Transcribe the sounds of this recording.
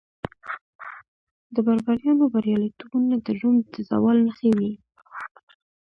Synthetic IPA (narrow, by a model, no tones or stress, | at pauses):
d̪əbaɾbaɾjɑnobaɾjɑlit̪ubunad̪əʒumd̪əza̰wɑlnəxewi